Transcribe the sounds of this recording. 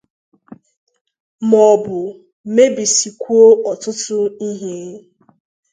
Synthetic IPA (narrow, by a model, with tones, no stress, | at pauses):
mɔ˨bʊ˨˦ | me˦bi˨si˨kʷu˦o˦ʔɔ˨tʊ˦tʊ˦i˦ɦe˦